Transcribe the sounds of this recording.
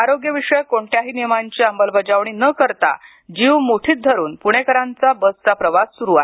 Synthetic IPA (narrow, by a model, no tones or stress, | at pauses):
aɾoɡjəʋiʂəjkoɳʈjaɦiːnijmaɲt͡ɕiːambəlbʱəd͡ʑaʋɳ̃iːnəkəɾt̪a̰ | d͡ʑiʋmoʈʰiːt̪̚d̪ʱəɾuːnpuɽ̃ekəɾãnt͡sabəst͡sapɾəʋasːuɾuaɦe